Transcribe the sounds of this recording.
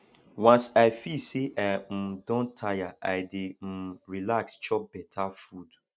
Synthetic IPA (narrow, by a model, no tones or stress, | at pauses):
wãnsaɪfiseʔam̩dɔ̃ntʰajaʔaɪdem̩ɾilakst͡ʃɔbɛtʰafud